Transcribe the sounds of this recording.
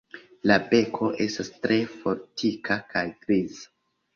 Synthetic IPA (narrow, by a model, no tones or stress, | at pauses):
labe̞kʰo̞ʔe̞stastɾe̞fo̞ɾtʰikʰakajɡɾizḁ